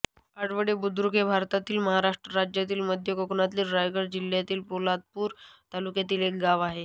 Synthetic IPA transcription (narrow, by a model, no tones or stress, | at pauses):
aɽʋəɽebud̪ɾuɡebʱaɾt̪at̪iːlməɦaɾaʂʈɾəɾad͡ʑjat̪̬iːlməd̪ʱjəkokɳat̪liːlɾajɡəɽd͡ʑil̤jat̪iːlpolad̪̚puːɾt̪alukjat̪iːlek̚ɡaʋaɦe